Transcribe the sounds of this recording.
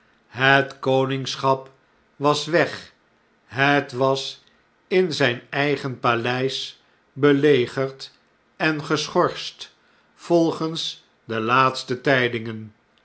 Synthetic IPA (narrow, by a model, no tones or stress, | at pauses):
ɦətkownɪŋsχɑp | ʋɑsʋɛχ | ɦətʋɑs | ɪnzɛjnɛjχənpalɛjs | bəlejχəɹt | ɛnχəsχɔɹst | fɔlˠχəns | dəlaːtstətɛjdɪŋən